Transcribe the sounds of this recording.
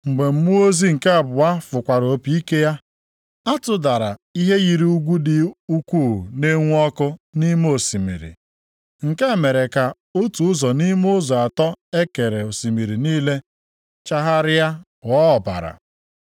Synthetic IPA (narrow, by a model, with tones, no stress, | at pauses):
ŋ͡m̩˨ɡ͡be˨m̩˦mu˦o˦zi˦ŋ̩˨ka˨bʊ˨wa˦fʊ˨kʷa˨ɾo˨pi˦i˦ke˦ja˦ | a˦tʊ˨da˨ɾa˨i˦ɦe˦ɣi˨ɾi˦u˦ɡʷu˦dɪ˨u˦kuː˦˨ne˦ŋʷ˦ɔ˦kʊ˦ni˦m˦o˨si˨mḭ˨ɾḭ˨ | ŋ̩˨ke˦˨me˨ɾe˨ka˨ | o˦tu˨ʊ˦zɔ˨ni˦m˦ʊ˦zɔ˨a˨tɔ˦e˦ke˨ɾe˨o˨si˨mi˨ɾi˨niː˦le˦ | t͡ʃa˦ɦa˦ɾɪ˦ja˦ | wɔ˦ɔ˨ba̰˨ɾa̰˨